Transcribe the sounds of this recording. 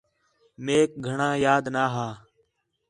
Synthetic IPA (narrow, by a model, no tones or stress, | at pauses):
meːk̚ɡʱəɳãːjaːd̪naːɦaː